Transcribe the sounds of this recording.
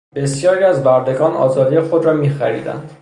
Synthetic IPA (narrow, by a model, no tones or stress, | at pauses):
b̥e̞sjɒːɾiːæzbæɾd̪e̞ɡɒːnɒ̰ːzɒːd̪ijexo̞d̪ɾɒːmiːxæɾḭːd̪æ̰nd̪̥